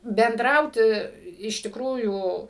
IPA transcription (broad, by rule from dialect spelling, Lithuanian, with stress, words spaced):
bʲɛnˈdrɐʊtʲɪ ɪʃ tʲɪkˈruːjuː